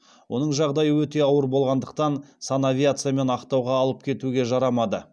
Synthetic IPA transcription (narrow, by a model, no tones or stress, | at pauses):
wʔo̞nəɴʒɑʁd̪ɑjəwɵt̪e̞ɑwəɾbo̞lˠʁɑnd̪əq̚t̪ɑnsanavʲijat̪sɨjame̞nɑqt̪ɑwʁɑːlˠəp̚kʲʰe̞t̪uɡʲe̞ʒɑɾɑmɑd̪ə